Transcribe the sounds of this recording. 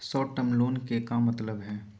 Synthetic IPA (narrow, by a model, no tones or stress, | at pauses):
sɔːʈːəmloːnkekamɐt̪ləbɦɛː